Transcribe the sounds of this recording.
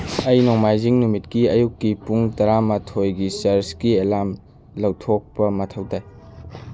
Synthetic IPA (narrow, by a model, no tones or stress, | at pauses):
ɐjnoŋmajziŋnumitkiɐjukːipuŋtɐɾamɐtʰojɡisɐɾskielam | lɐwtʰok̚pɐmɐtʰɐwtaj